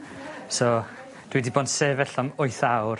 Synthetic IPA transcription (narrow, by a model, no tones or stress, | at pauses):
so | d̥widibɔnseːvɛɬɔmoɨθawr